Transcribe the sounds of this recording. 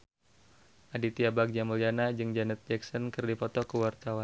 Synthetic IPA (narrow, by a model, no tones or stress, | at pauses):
ʔadit̪iabak̚d͡ʒaməljanad͡ʒɨŋd͡ʒanɛt̪̚d͡ʒɛksɔnkərdipɔt̪ɔkəwart̪awan